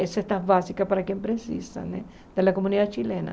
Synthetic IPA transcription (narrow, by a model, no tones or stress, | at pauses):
esest̪abasikapaɾakẽmpɾesḭsa̰ne | d̪̥elakomuniðat͡ʃilenɐ̰